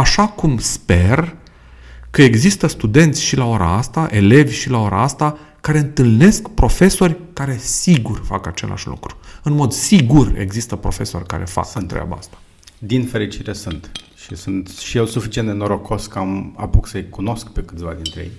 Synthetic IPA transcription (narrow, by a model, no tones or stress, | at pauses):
aʃakumspe̞r | kəe̞ɡzist̪əst̪ud̪e̞nt̪sʲʃilaoɾa̰ast̪aʔe̞le̞vʲʃilao̞ɾʔa̰ast̪a | kaɾe̞ɨnt̪ɨlne̞skpɾo̞fe̞so̞rʲkaɾe̞siɡurfa̰kat͡ʃe̞̰lʔa̰ʃlṵkɾu̥ɨnmo̞d̪siɡure̞̰ɡzist̪əpɾo̞fe̞so̞̰rʲka̰ɾʔe̞̰fa̰kɨnt̪ɾḛʔa̰ba̰a̰st̪ḁ | d̪infe̞ɾit͡ʃiɾesunt̪ | ʃisunt̪ʃijelsufit͡ʃiend̪enoɾo̞kʰo̞skama̰puksəjkuno̞skpe̞kɨ̥t̪sʲva̰d̪int̪ɾejej